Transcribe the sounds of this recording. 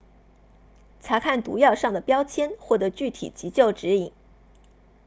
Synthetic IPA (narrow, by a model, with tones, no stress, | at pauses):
t͡sʰa˧˥kʰa˥˩nt̪ṵ˧˥jɑ˥˧ʊʂɑ˥˩ŋd̪ə˩pjɑ˥ʊt͡ɕʰjɛ˥nxwɔ˥˩t̪ɤ˧˥t͡ɕy˥˩t̪ʰḭ˨˩t͡ɕi˧˥t͡ɕjo˥˩ʊʈ͡ʂɻ̩˧˥i˨˩˦ŋ